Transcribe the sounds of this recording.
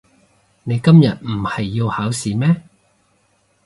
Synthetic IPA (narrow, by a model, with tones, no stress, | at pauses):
ne˨˧jkɐ˥mjɐ˨t̚m̩˨˩hɐ˨jːi˧whaː˨˥wsiː˨mɛː˥